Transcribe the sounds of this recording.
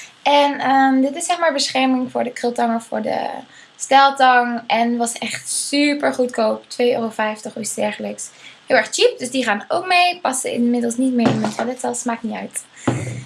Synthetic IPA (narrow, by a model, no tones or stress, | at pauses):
ʔɛnəmdɪtɪsːɛχmaːɹbəsχɛɹmɪŋvʊːɹdəkrɪlˠtɑŋɔffʊ̰ːɹdə̰ | stɛlˠtɑŋɛnʋɑsɛχtsypəɹχutkowptʋejøːrofɛjftəχysdɛɹχələksɦɪːlˠɛɹχt͡ʃip̚dɵsdiχaːnəo̰wkmejpɑsəɪ̰nmɪdəlˠsnitmemɛntadɛtsɛlˠsmaːk̚nitœ̰ɥt